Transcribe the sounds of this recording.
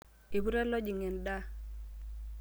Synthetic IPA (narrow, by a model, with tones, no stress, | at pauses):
i˨bu˦ɾɛ˦lɔ˦d͡ʒi˨ŋɛ˨nda˦